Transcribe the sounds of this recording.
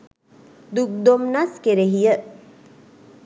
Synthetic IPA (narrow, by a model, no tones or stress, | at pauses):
d̪uk̚d̪omnaskeɾeɦijə